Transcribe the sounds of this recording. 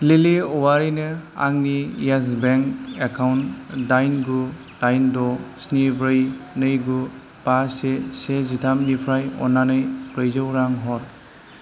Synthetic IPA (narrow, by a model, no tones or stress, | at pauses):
leliɔwaɾinɯa̰ŋnijasbeŋkekʰawntdajnɡu | d̥ajndɔsnibɾɯjnɯjɡu | pasesezitʰamnipʰɾajɔ̰nanɯjpɾɯjzɯwɾaŋɦɔɾ